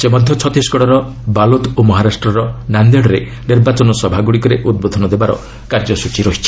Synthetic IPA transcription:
semɔd̪ʱjɔt͡ʃʰɔt̪isɡɔɽɔɾɔ | balot̪omɔɦaɾasʈɾɔɾɔnand̪eɽɔɾe | niɾbat͡ʃɔnɔsɔbʱaɡuɽikɔɾeʔud̪̚bod̪ʱɔnɔd̪ebaɾɔ̰ | kaɾd͡ʒɔsut͡ʃiɾɔɦit͡ʃʰi̥

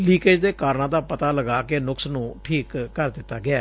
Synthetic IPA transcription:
liːked͡ʒd̪eːkaːɾnãːd̪aːpət̪aːləɡaːkenʊksnũːʈʰiːkːəɾd̪ɪt̪ːaːɡɪaː

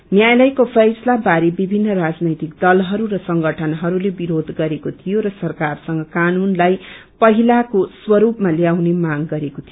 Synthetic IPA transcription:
njajlʌjkopʰʌjslabaɾebibʱinːʌrad͡znʌjt̪ik̚d̪ʌlɦʌɾuɾʌsʌŋɡʌʈʰʌnɦʌɾulebiɾod̪ʱɡʌɾekot̪ʰijoɾʌsʌrkarsʌŋɡʌkanunlaj | pʌɦilakoswʌɾupmaljawnemaɡɡʌɾekot̪ʰijo

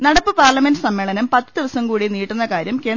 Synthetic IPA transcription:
nɐɽɐpːɨpaːrlɐmendɨsɐmːeːɭɐnɐmpɐt̪ːɨd̪iʋɐsɐmkuːɽiniːʈːunːɐkaːɾjɐmke̞ːn

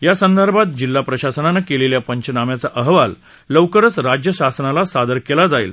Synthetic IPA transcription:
jasənd̪ʱəɾbʱat̪̚d͡ʑilːapɾəɕasənanəkeleljapəɲt͡ɕənamjat͡saʔəɦʋalː | əwkəɾət͡sɾad͡ʑjəɕasənalasad̪əɾkelad͡zaḭl

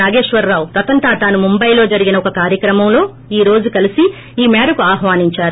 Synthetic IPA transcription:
aːɡe̞ːʂʋɐɾːaːwt̪ɐt̪ɐnʈ̪aːt̪aːnumumbɐjlo̞ːd͡ʒɐɾiɡinɐɔkɐkaːɾjɐkɾɐmɐmlo̞ː | iːɾo̞ːd͡ʒukɐlisi | iːmaːɾukuaːɦʋaːniɲt͡ʃaːɾu

